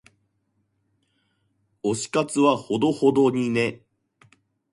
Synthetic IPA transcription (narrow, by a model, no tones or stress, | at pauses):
o̞ɕi̥kat͡sɨβaho̞d̪o̞ho̞d̪o̞ɲ̟ine̞